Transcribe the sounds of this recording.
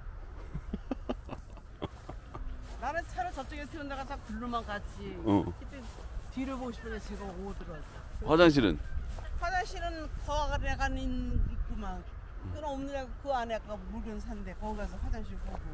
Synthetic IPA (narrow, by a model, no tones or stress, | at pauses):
naɾɯnt͡ɕʰaɾɯt͡ɕʌp̚t͡ɕ͈eɡepʰeundaɡat͡ɕak̚tɯɭːumankat͡ɕʰiʌkʰɯt͈etiɾʌboɕʰi̥pʌnsʰʌt͡ɕeɡʌodɯɾʌt͈aɸwad͡ʑaŋɕ̬ʰiɾɯ̰nɸwad͡ʑaŋɕʰiɾɯnkʌwaɡaɾiakaninik͈uman | kɯnɯnʌmnɯɾeɡkɯaneak͈amuɭɡɯnsʰande̞kʌɡas̬ʰʌɸwad͡ʑaŋɕʰiɭk͈aɡo